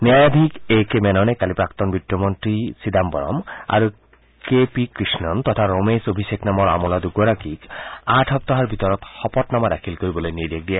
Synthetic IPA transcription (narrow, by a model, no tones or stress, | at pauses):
neajad̪ʱikekemɛnɔnekalipɾakt̪ɔnbit̪ːɔmɔnt̪ɾisid̪ambɔ̰ɾɔ̰ma̰ɾu | kepikɾisnɔnt̪ɔt̪ʰaɾomesobʱiseknamɔɾa̰mɔlad̪uɡoɾakikaʈʰɔp̚t̪ɔɦaɾbʱit̪ɔɾɔt̪xɔpɔt̪namad̪akʰilkoɾibɔlojnid̪ek̚d̪iɛ